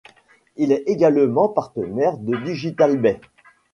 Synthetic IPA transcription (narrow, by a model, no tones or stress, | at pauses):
ilɛeɡalmɑ̃paʁt̪ənɛʁd̪əd̪yʒit̪albɛ